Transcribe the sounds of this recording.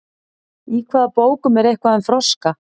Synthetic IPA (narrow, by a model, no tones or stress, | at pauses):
ikʰvaːðapoːwkʏmɛɾejhkvaðɛnfɾɔska